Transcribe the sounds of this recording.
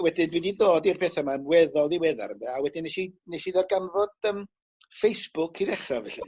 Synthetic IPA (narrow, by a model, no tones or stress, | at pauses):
wɛdɪnbiːndidoːdirpʰeːθəmanwɛðɔlˠiwɛða̰rndɛawɛdɪneʃineʃiðarɡanvɔd̥əm | fejsb̥ʊkʰiðɛχravɛɬi